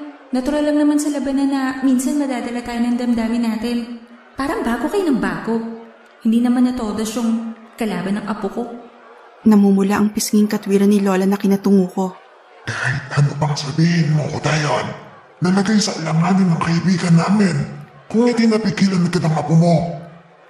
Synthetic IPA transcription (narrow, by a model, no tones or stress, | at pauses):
nɐt̪ʊɾalːɐmnɐmansɐlɐbɐnɐnːɐminsɐnmɐd̪aːd̪ɐlat̪aːjonɐŋd̪ɐmd̪aːmɪnaːt̪ɪn | paːɾɐŋbaːɡokɐjnɐŋbaːɡo | hɪnd̪iːnɐmanːɐt̪o̞ːd̪ɐʃʊŋ | kɐlaːbɐnːɐŋʔɐpuko | nɐmumʊlaʔɐŋpɪsŋɪŋkɐt̪wiːɾɐnɪlo̞ːlɐnɐkɪnɐt̪ʊŋuːko̞ | kahɪt̪̚hɐnopɐŋsɐbiːhɪnmokod̪ajon | t̪ɐlɐɡajsɐʔɪlaŋaːnɪnːɐŋkɐʔibiːɡɐnːaːmɪn | kʊŋɐt̪ɪŋnɐpikiːlɐnɐkɐd̪ɐŋʔɐpʊmo̞